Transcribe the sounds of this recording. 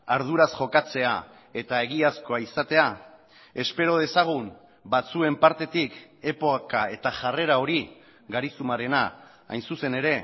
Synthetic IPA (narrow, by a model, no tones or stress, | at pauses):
aɾð̞uɾasʝo̞kat͡se̞a | e̞t̪ae̞ɣ̞iasko̞aisat̪e̞a | e̞spe̞ɾo̞ð̞e̞saɣ̞um | bat͡sue̞mpaɾt̪e̞t̪ike̞po̞kae̞t̪aʝare̞ɾao̞ɾi | ɣaɾisumaɾe̞na | a̰jnsuse̞ne̞ɾe̞